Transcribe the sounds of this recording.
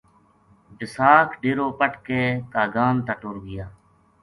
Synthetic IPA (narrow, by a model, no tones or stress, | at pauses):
bɪsaːkʰɖeːɾoːpəʈkeːt̪aːɡaːnt̪əʈoːɾɡɪjaː